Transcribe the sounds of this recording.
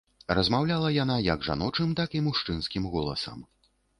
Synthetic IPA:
rɐzmawlʲalˠɐjanajɐɡʐa̰nɔt͡ʂɨmt̪akimuʂt͡ʂɨnskʲimɣɔlˠɐsɐ̰m

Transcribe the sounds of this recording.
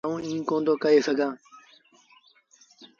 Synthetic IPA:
ũːĩːkõːnd̪oːkəeːsəɡʱãː

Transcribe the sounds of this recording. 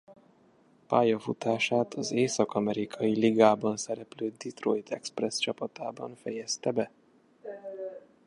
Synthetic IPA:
pa̰ːjɒfut̪aːʃaːt̪ʰɒzeːsɒkɒmɛɾikʰɒjiliɡaːbɒnsɛɾɛpløːd̪it̪rojit̪ʰɛksprɛst͡ʃɒpɒt̪aːbɒnfɛjɛst̪ɛbɛ

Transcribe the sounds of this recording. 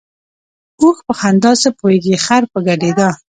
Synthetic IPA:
uxpəxand̪ɑsəpoheɡixaɾpəɡaɖed̪a

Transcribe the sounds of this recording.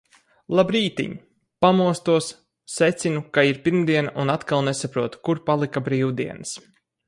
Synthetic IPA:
lˠabɾiːt̪ḭɲ | pamuɔst̪uɔsː | ɛt̪sinukaiɾpiɾmd̪iɛnaʔunat̪kalˠnɛsapɾuɔt̪u̥kuɾpalˠikabɾiːwd̪ḭɛnɨs

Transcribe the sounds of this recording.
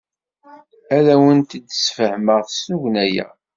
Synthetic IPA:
æðæwənt̪əd̪sfəhməʁθsuʝnæjæ̰

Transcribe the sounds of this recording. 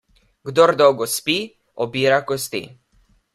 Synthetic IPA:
ɡd̪ɔɾd̪ɔwɡɔspi | ɔbiːɾakɔst̪ḭ

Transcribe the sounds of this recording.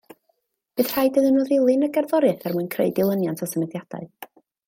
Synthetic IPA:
b̥ɨːð̥r̥aɨdəðənuːðɪlˠɨnəɡɛrðɔɾjɨθɛrmɨnkʰrḛɨdɪlˠənjantʰɔsəmɛdjad̥a̰ɨ

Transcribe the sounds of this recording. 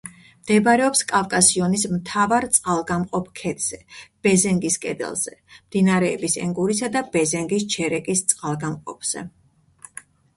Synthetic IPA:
md̪̥ɛbɾɛɔpskʼavkʼasiɔnismt̪ʰavaɾt̪sʼqʼalˠɡamqʼɔpʰkʰɛd̪z̥ɛb̥ɛzɛŋɡiskʼɛd̪ɛ̰lˠz̥ɛ̰md̪̥inaɾɛːbisɛ̰ŋɡuɾisad̪ab̥ɛzɛŋɡist͡ʃʰɛɾɛkʼist̪sʼqʼalˠɡamqʼɔ̰pʰz̥ɛ̰

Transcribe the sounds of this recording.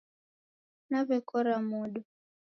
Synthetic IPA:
naβɛkɔɾamuɗu

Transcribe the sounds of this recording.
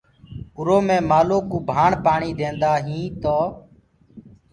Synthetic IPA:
ʊɾoːmẽːmaːloːkuːbʱaːɳpaːɳiːd̪ẽːnd̪aːɦĩːt̪oː

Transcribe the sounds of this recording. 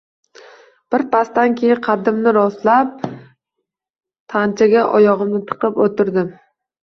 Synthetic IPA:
b̥ɪɾpʰast̪ankʲʰejɪqʰɑd̪ɪmnɪɾɒslap̚ | t̪ʰant͡ʃʰaɡʲaʔɒjɒʁɨmnɪt̪ʰɨ̥qʰɨpot̪ʰɪɾd̪ɪm

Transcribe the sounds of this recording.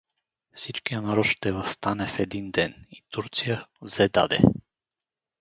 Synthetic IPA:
fsit͡ʃkʲianɾɔʃt̪ɛvast̪anɛfɛd̪ind̪ɛnit̪uɾt̪sijazɛd̪a̰d̪ɛ̰

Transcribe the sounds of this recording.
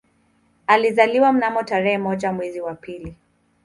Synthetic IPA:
alizaliwam̩namɔtaɾɛhɛmɔʄamwɛziwapili

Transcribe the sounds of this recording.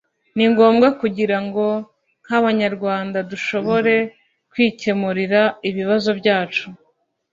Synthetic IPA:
niŋɡo̞ːmɡakuɟiɾaŋɡo̞ | n̥haβaɲaɾɡwaːndaduʃo̞βo̞ɾe̞ | kwiːce̞muɾiɾaiβiβazo̞bɟaːt͡ʃu

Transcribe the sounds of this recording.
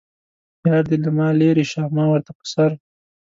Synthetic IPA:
jɑːɾd̪ilamɑːleɾiʃaːmɑːwəɾt̪apə̥saɾ

